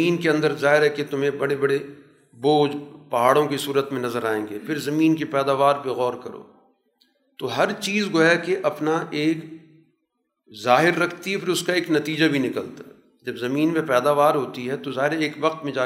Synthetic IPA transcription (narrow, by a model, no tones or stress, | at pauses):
iːnkeɐ̃nd̪əɾzaːɦɪɾɦɛket̪ʊmɦẽbɐɽebɐɽe | boːd͡ʒpɐɦaːɽõkisuːɾət̪mẽnɐzəɾaːẽːŋɡeːfʰɪɾzɐmiːnkepɛːd̪aːʋaːɾpeɣɔːɾkɐɾo̰ː | t̪oɦɐɾt͡ʃiːzɡojakeʔɐpnaʔeːk | zaːɦɪɾːɐkʰt̪iɦɛfɪɾʊskaeːknɐt̪iːd͡ʒabʱinɪkəlt̪ḁɦɛ | d͡ʒɐbzɐmiːnmẽpɛːd̪aːʋaːɾɦoːt̪iɦɛt̪ozaːɦɪɾeːkʋɐq̚t̪mẽd͡ʒaː